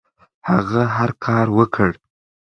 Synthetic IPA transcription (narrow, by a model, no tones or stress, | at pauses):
haɣaɦaɾkʰɑɾwəkʰəɽ